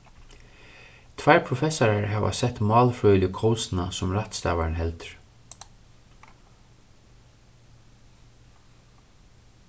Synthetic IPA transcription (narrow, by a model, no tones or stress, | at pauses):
t̪ʰvaɹpʰɾʊfɛsaɾaɹɦɛva̰sɛht̪mɑːlfɾœːjljəkʰɔwsnasʊmɾat̪st̪a̰ːʋanɦɛlt̪ɹ̥